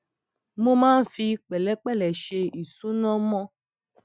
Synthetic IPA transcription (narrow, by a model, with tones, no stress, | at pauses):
mõ˦mãː˦n̩˦fi˧k͡pɛ˨lɛ˨˦k͡pɛ˦˨lɛ˨ʃe˧i˨su˨˦nɔ̃˦mɔ̃˦